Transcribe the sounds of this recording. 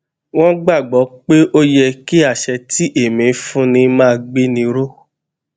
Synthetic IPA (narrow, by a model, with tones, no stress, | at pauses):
w̃ɔ̃˦ɡ͡ba˦˨ɡ͡bɔ˨˦k͡pe˦ʔo˦jɛ˧ki˦a˦˨ʃɛ˧ti˦ʔe˦˨mĩ˨fũ˦nĩ˧mãː˦˧ɡ͡be˦nĩ˧ɾo˦